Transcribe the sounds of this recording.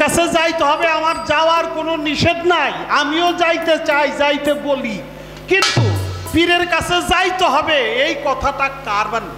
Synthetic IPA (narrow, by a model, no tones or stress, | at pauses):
at͡ɕʰed͡ʑajt̪eɦɔbeamaɾd͡ʑaoaɾkononiʃed̪najamiod͡ʑajt̪et͡ɕajd͡ʑajt̪eboli | kint̪ufiɾeɾkat͡ɕʰed͡ʑajt̪oɦɔbeejkɔt̪ʰaʈakaɾban